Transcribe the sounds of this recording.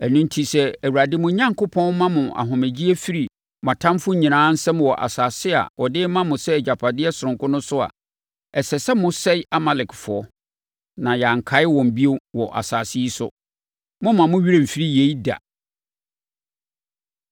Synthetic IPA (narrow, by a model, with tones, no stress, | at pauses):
ɛ˨nʊ̃˦n˦tʰi˦sɛ˦æ˨wu˨ɾa˨dɪ˦mʊ̃˦ɲã˦ŋkʰʊ˦pʰɔ̃˦nmã˦mʊ̃˨ʔa̰˨ɦʊ̃˨mæ˨d͡ʑi˦æ˦fi˦ɾi˨ | mã˨tʰã˦m˦fʊ˦ɲĩ˨nãː˨˦n̩˦sɛ˦m̃˨wɔ˨ʔa̰˨saː˨sɪ˦a̰˨wɔ˨dɪ˦mã˦mʊ̃˨sɛ˦˨d͡ʑa˨pʰa˨dɪ˦ɛ˦sʊ˨ɾʊ̃˨ŋkʰʊ̃˦nʊ̃˦sʊ˦a̰˨ | ɛ˨sɛ˨sɛ˦mʊ̃˦sɛ˦ɪ˦ʔa˦ma˨lɪ˨kʰfʊ˨ɔ˦ | nã˨ja˨ŋ̩˨kʰa˨˦ɪ˦wɔ̃˨m̩˨bi˦o˦wɔ˨ʔa̰˨saː˨si˦i˦sʊ̰˦ | mʊ̃˦mã˨mʊ̃˦ɥi˦ɾẽ˦˨m̩˨fi˦ɾi˦je˨i˦da̰˨